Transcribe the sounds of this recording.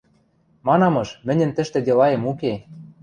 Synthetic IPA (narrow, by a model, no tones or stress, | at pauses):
mɑnɑmɤ̆ʃmɘ̆nʲɘ̆nt̪ɘ̆ʃt̪ɘ̆d̪elɑemuke